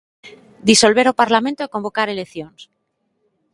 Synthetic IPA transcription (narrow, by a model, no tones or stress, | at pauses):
d̪iso̞lβe̞ɾopaɾlamẽnt̪oiko̞mbokaɾe̞lekθjons